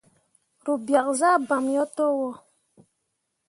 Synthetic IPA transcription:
ɾu˨bja˨kza˦ba˨mjɔ˦tɔ˦wɔ˦˨

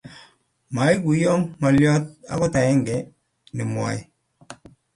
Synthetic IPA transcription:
ma˨˦i˦ku˨jɔ˦mːɔ˨ljɔ˦t̚a̰˨kɔ˦ta˨ɛ˦ŋɡɛ˨ | nɪ˨m˨a̰˨j

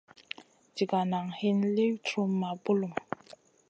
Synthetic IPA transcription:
d͡ʒi˨ɡa˨na˨ŋhi˦nli˦wtɾu˦mːa˨bu˦lu˨m

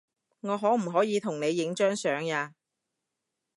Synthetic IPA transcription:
ŋɔː˨˧ɦɔː˨˥m̩˨˩ɦɔː˨˥jiː˨˧t̪ʰʊ˨˩ŋne˨˧jːɪ˨˥ŋt͡ʃœː˥ŋsœː˨˥ŋaː˧

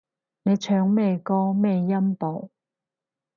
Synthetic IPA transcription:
ne˨˧jt͡ʃʰœː˨˧ŋmɛː˧jkɔː˥mɛː˧jjɐ˥mpo˨˩w

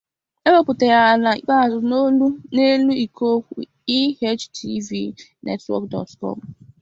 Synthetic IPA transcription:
e˦we˦pʊ˨te˨ɣa˨na˨ḭ˦k͡pa˦˨zʊ˨no˦lu˦ne˦lu˦i˨kʰo˦kʷṵ˨ | i˦he˦t͡ʃtʰi˦vi˦nʔḛ˦twɔ̰˦k̚dɔ̰˨tkɔ̰˦˨m̩˨

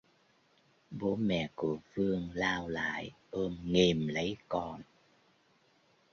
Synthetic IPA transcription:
ɓo˨˦mɛ̰˧˨ku˧˩əfɨ˧əŋlaː˧wla̰ː˧˨jʔəː˧mŋe˨˩mlə˨˦jkɔ˧n

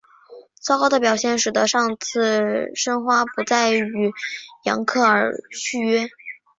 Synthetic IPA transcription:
t͡sʰɑ˥ʊkɑ˥ʊd̪ə˧p̬jɑ˨˩ʊɕjɛ˥˩nʂɻ̩˨˩d̪ə˦ʂɑ˥˧ŋt͡sʰɹ̩˥˩ʂə˥ŋxwa˥pu˧˥t͡sa˥˩ɪy˨˧˩jɑ̰˧˥ŋkʰɤ˥˩ə˞˧˥ɕʰy˥ɥɛ˥

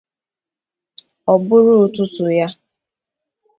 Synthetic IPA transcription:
ɔ˨bʊ˦ɾʊ˦˨tʊ˦tʊ˨ja˦

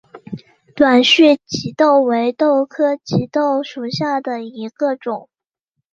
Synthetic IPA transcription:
t̪wa˨˩nɕy˥˩t͡ɕi˧˥t̪o˥˩ʊwe˧˥ɪt̪o˥˩ʊkʰɤ˥t͡ɕi˧˥t̪o˥˩ʊʂu˨˩ɕja˥˩d̪ə˩i˧˥ɡ̥ə˧ʈ͡ʂʊ˨˩˦ŋ

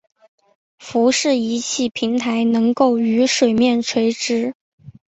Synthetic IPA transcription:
fu˧˥ʂɻ̩˥˩i˧˥t͡ɕʰi˥˩pʰi˧˥ŋt̪ʰa˧˥ɪnɤ˧˥ŋko˥˩ʊy˧˥ʂwe˨˩ɪmjɛ˥˩nʈ͡ʂʰwe˧˥ɪʈ͡ʂɻ̩˥

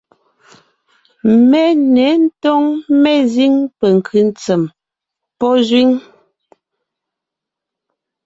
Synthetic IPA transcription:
mɛ˦nɛ˨˦n̩˦tɔ˦ŋmɛ˦zi˦ŋpɛ˨ŋ̩˨kʰʉ˨˦n˦t͡sɛ˨m | pɔ˦zwi˦ŋ

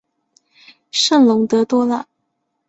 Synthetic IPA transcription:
ʂə˥˩nlʊ˧˥ŋt̪ɤ˧˥t̪wɔ˥lə˥˨

